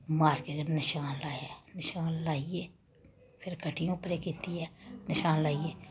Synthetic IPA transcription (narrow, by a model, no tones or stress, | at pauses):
maːɾkeɡənɪʃaːnlaːjɛnɪʃaːnlaːieː | pʰɪɾkəʈʰijõpɾekiːt̪iɦɛːnɪʃaːnlaːieː